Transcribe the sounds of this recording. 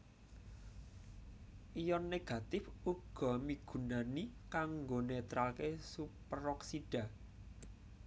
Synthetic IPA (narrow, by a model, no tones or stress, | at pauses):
ʔijɔnːeɡ̥ä̤t̪ɪfuɡ̥ɔ̤miɡ̥ṳnanikaŋɡonet̪ɾalkesupəɾɔksid̥a̤